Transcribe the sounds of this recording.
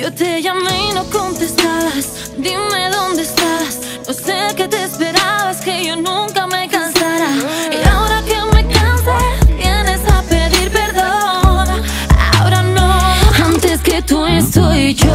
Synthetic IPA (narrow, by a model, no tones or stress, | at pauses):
jo̞t̪eʝamenoko̞nt̪e̞st̪aβas | d̪ime̞ðo̞nd̪eːst̪aβas | no̞se̞ke̞t̪eːspe̞ɾaβaske̞ʝo̞nũŋkame̞kansaɾaiaoɾakeme̞kansat̪jene̞sapeðiɾpe̞ɾðon | a̰oɾanoant̪eske̞t̪uest̪oit͡ʃo